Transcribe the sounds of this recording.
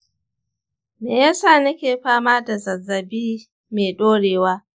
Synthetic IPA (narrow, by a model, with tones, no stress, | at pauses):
meː˨jaː˦saː˦˨nɐ˦kʲeː˨ɸaː˦maː˦da˨zɐ˨zɐ˨biː˦ | meː˨ɗoː˦ɽeː˨waː˦